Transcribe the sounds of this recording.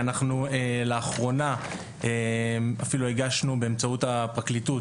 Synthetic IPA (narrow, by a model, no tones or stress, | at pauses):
anaχnueleaχʁo̞na | emafilueɡaʃnube̞ːmt͡sautapʁaklitut